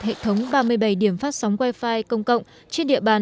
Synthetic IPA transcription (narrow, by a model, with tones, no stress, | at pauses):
hḛ˧˨t̪ʰə˨˦wŋ͡mɓaː˧mɨ˧əjɓə˧˩jɗi˧˩əmfaː˦˥t̚sa˨˦wŋ͡mkwaː˧jfaː˧jkə˧wŋ͡mkə̰˧˨wŋ͡m | t͡ɕe˧nɗḭ˧˨əɓaː˨˩n